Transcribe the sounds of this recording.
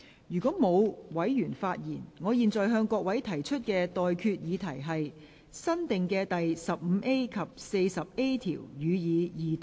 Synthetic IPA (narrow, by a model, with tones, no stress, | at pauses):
jyː˨˩kʷɔː˨˥mo˨˧wwɐ˨˥jjyː˨˩nfaː˧t̚jiː˨˩nŋɔː˨˧jiː˨nt͡sɔː˨jɦœː˧ŋkɔː˧k̚wɐ˨˥jt̪ʰɐ˨˩jt͡ʃʰɵ˥t̚kɛː˧t̪ɔː˨jkʰyː˧t̚jiː˨˧t̪ʰɐ˨˩jɦɐ˨j | sɐ˥nt̪ɪ˨ŋkɛː˧t̪ɐ˨jsɐ˨p̚m̩ː˨˧ʔe˥jkʰɐ˨p̚se˧jsɐ˨p̚e˥jt̪ʰḭː˨˩wjyː˨˧jiː˨˧jiː˨